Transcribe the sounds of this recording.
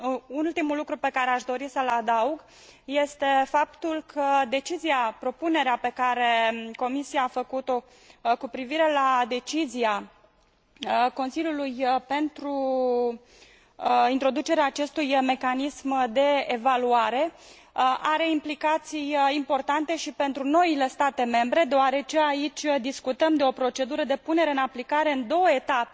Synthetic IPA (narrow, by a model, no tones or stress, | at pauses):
unult̪imulukɾupe̞kaɾe̞aʃd̪o̞ɾisəlad̪auɡ | je̞st̪e̞fapt̪ulkʰəd̪e̞t͡ʃiziapɾo̞pune̞ɾeape̞kaɾe̞ko̞misiaːfəkut̪o̞ | kupɾiviɾe̞lad̪e̞t͡ʃizia | ko̞nsiljulujpe̞nt̪ɾu | int̪ɾo̞d̪ut͡ʃe̞ɾeaːt͡ʃe̞st̪ujme̞kanismd̪e̞ːvaluaɾe̞ | ʔaɾe̞implikat̪sijimpo̞rt̪ant̪e̞ʃipe̞nt̪ɾuno̞ile̞st̪at̪e̞me̞mbɾe̞d̪eoaɾe̞t͡ʃe̞ait͡ʃʲd̪iskut̪əmd̪e̞o̞pɾo̞t͡ʃe̞d̪uɾəd̪e̞pune̞ɾe̞ɨnaplikaɾe̞ɨnd̪o̞wəe̞t̪ape